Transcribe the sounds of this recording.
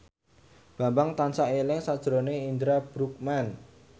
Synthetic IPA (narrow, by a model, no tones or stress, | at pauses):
b̥a̤mbaŋt̪ansaʔelɪŋsad̥ʒ̥ɾoneind̪ɾab̥ɾuk̚man